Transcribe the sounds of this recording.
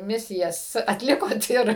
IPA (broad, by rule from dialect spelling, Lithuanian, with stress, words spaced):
ˈmʲɪsʲɪjɛs ɐtʲˈlʲɪkoːt ɪr